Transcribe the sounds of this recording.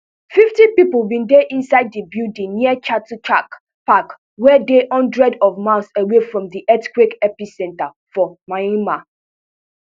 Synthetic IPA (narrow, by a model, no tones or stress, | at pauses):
fiftipiplbĩndeʔĩnsaɪd̚dibudĩniət͡ʃatut͡ʃak | pak | wɛdehɔ̃ndɹɛdɔvmãɪsewefɹɔ̃mdiʔɛtkwekɛpisɛ̃nta | fɔmaĩma